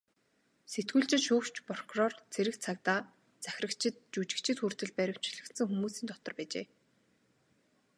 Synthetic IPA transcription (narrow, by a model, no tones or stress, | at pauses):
set̪ɡuːɮt͡ɕɪ̆t̪ʃuːkt͡ɕprɔkʰrɔrt͡sʰeɾɘ̆kt͡sʰakt̪aː | t͡sæx̆ʲə̆kt͡ɕʰɪ̆t̪̚t͡ɕut͡ɕɪ̆kt͡ɕʰɪ̆t̪xur̥t̪ɘ̆ɮpæɾʲɪ̆kt͡ɕʰɮə̆kt̪sə̆ŋxumuːsiːnt̪ɔt̪ɞ̆rpæːt͡ɕḛː